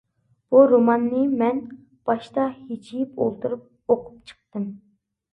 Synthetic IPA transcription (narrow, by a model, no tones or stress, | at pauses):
b̥uɾomɑnːɨmɛn | b̥ɑʃt̪ɑhid͡ʒijipo̰lˠt̪uɾup̚ | oqʰu̥pt͡ʃʰə̥q̚t̪ɨm